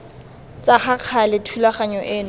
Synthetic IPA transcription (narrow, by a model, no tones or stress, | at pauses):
t͡sʼaχaq͡χʰalɪtʰulaχaɲɔʔɪːnʊ